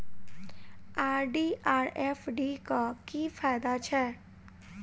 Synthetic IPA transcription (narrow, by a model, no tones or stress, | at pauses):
aːɾɖiʔaːɾefɖikakiːfʰaːjd̪at͡ʃʰɛ